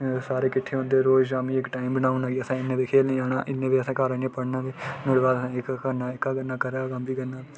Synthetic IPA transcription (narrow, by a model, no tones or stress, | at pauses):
saːɾeːkɪʈʰːeːõnd̪eːɾoːd͡ʒaːmĩːɪkʈaːimbənaːunãːɡiəsãːɪnːẽːʋiːkʰeːlnĩːaːna̰ːʔɪnːẽːʋiːəsãːkaːɾənẽːpəɽnãːʋeːnoɽʋaːd̪əsãːɪkːkəɾnaːɪkaːkənːaːkəɾakəmbiːkənaː